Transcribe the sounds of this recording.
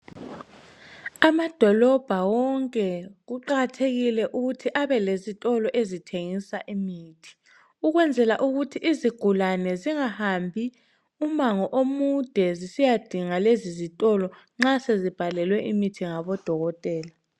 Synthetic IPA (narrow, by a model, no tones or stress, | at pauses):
amad̥ʱɔlɔb̥ʱawɔŋkʼɛɣuǃaɣtʰeɣilɛʔuɣutʰiʔaβɛlezitʼɔlɔʔezitʰeŋisaʔimiːtʰi̥ | uɣwɛnd͡zʱɛlaʔuɣutʰiʔiziɡ̥ʱulanɛziŋahambʱi | umaŋɔʔomud̥ʱɛzisijad̥ʱiŋalezizitʼɔlɔ | ŋ͡ǁasezib̥ʱalɛlwɛʔimitʰiŋaβɔd̥ʱɔɣɔtʼɛːla